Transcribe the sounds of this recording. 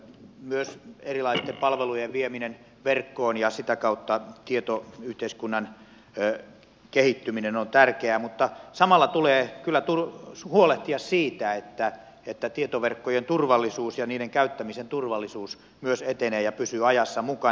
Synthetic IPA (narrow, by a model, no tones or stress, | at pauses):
myøserilɑist̪empɑlʋelujeʋʋieminen | ʋerkːoːnjɑsit̪ækɑut̪ːɑt̪iet̪oyht̪eiskunːɑn | kehit̪ːyminenont̪ærkeæmut̪ːɑsɑmɑlːɑt̪uleːkylːæt̪urhuoleht̪iɑssiːt̪æet̪ːæ | et̪ːæt̪iet̪oʋerkːojent̪urʋɑlːisuːsjɑniːɾeŋkæyt̪ːæmisent̪urʋɑlːisuːs | myøset̪eneːjɑpysyːɑjɑsːɑmukɑ